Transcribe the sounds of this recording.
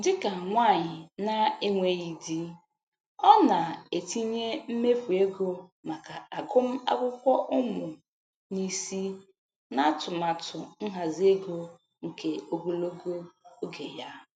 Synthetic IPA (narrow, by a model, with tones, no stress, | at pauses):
dɪ˦ka˨ŋʷa˦˨ɲɪ˨na˦e˦ŋʷe˦ɣi˨di˦ | ɔ˦na˨e˨ti˦ɲe˦m̩˦me˦fu˨e˦ɡo˦ma˨ka˨a˨ɡʊ˦m̩˦a̰˦kʷʊ˦kʷɔ˦ʔʊ˦mʊ˨ | ni˦si˦ | na˦tʊ˨ma˨tʊ˨n̩˦ɦa˨ze˦ɡo˦ | ŋ̩˨ke˨o˨ɡo˦lo˦ɡo˦o˦ɡe˨ja˦